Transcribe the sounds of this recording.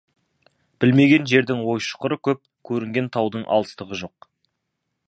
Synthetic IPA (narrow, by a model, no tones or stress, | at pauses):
b̥ɪlme̞ɡʲe̞nʒe̞ɾd̪ɪŋwo̞jʃʊ̥qəɾəkʲʰɵp̚kʲʰɵɾɪŋɡʲe̞nt̪ʰɑwd̪əɴʔɑ̰lˠəst̪əʁəʒo̞q̚